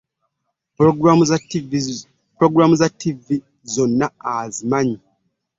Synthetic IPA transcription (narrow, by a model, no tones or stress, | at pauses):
pɾoɡɾamuzativi | zonːaazimaɲi